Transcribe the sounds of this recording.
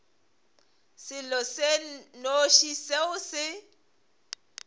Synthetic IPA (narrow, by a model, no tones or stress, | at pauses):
sɪlɔsenoʃiseʊsɪ